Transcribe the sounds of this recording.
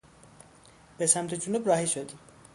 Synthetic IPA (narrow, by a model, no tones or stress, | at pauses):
b̥esæmt̪ʰed͡ʒunubɾɒːɦiʃod̪i